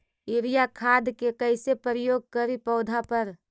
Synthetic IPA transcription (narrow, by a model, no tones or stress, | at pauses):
ɪɾijakʰaːd̪kekəɪsepɾəjoːɡ̚kəɾipəːd̪ʱapəɾ